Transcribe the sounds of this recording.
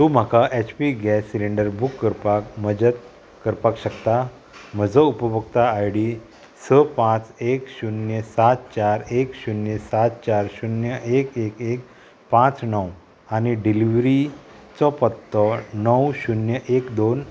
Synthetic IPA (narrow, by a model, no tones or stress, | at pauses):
t̪um̤akaʔet͡ɕpiɡɛsːiliɳɖəɾbukːəɾpakməd͡ʑət̪̚ | kəɾpakɕəkt̪a | m̤əd͡zɔupəbəkt̪aajɽi | səpãt͡sekɕunjəsat̪̚t͡ɕaɾekɕunjəsat̪t͡ɕaɾɕunjəʔekekek̚ | pãt͡snəw | aniɖiliʋɾit͡sɔpət̪ːɔnəwɕunjəʔekd̪on